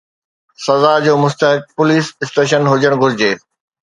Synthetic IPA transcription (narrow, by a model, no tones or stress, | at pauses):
sɐzaːd͡ʑoːmʊst̪əɦɪk̚pʊliːsɪsʈeːʃ̬ənɦʊd͡ʑəɽ̃ɡʱʊɾɪd͡ʑeː